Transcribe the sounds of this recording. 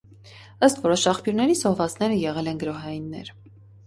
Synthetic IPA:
əst̪vɔɾɔʃɑχpjuɾnɛɾizɔhvɑt͡sʰn̪ɛɾəjɛʁɛlɛnɡəɾɔɦɑjinːɛ̰ɾ

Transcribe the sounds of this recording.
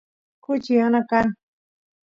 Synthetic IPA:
kʊt͡ʃianakan

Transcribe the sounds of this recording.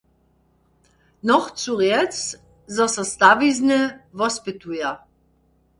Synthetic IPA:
nɔχt͡suʁjɛt͡s | zɔsast̪aviznɛvɔspɪtuja

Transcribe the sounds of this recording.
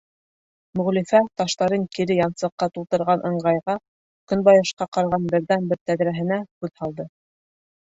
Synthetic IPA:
mɵ̆ʁlifæt̪ɑʃt̪ɑɾɤŋkiɾɘjɑnsɤ̆qːɑt̪ulˠt̪ɤ̆ɾʁɑnʔɤ̆ɴɢɑjʁɑ | kɵnbɑjɑʃqɑqɑɾʁɑnbɘ̆ɾðænbɘɾt̪æðɾæɦɘ̆næhʉðhɑlˠd̪ɤ

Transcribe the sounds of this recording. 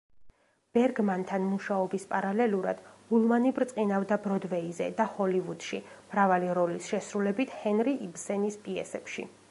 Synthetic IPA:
b̥ɛɾɡmant̪ʰanmuʃaɔbispʼaɾalɛluɾa̰d̪̥hulˠmanibɾt̪sʼqʼinavd̪abɾɔd̪vɛizɛ̰d̪ahɔlivud̪̥ʃimɾavaliɾɔlisʃɛsɾulɛbit̪ʰhɛnɾiʔibsɛnispʼiɛ̰sɛpʃḭ

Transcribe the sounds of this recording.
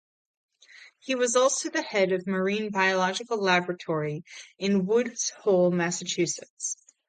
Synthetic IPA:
hiwʌzɔlˠsoʊðɨhɛɾʌvmə˞ĩnbaɪəlɑd͡ʒɨkl̩ˠlæbɹɨtʰɔɹiɨ̃nwʊdz̥hɔʊlˠmæsɨt͡ʃʰʉsɨts

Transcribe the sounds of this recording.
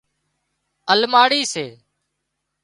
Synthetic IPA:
əlmaːɽiːseː

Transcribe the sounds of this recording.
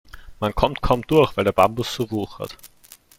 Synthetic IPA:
mankʰɔmt̚kʰɔʊmtd̥uɐxv̥æɪldeːɐbambʊsːoːvuːxha̰t

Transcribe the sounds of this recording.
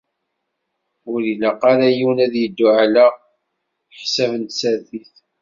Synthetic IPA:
ʊɾiləqɑɾæjiwnæðjəd̪ːuʕalæ | ħsævənt̪sæɾθiθ

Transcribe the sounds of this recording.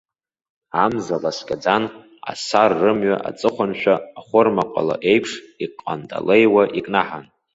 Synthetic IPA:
amzalasɡʲʼad͡zan | a̰sarːɨmɥaʔa̰t͡sʼɨχʷanʃᶣaːχʷʊrmaqʷʼa̰la̰ʔe̞jpʰʂiqʼːa̰ntʼa̰lejwaʔikʼnaħan

